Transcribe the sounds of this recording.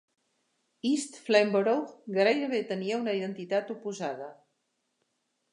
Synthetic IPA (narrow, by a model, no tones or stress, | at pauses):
ist̪flɛmbəɾowɡɾajɾəβet̪əniəunəiðənt̪it̪at̪upuzað̞ə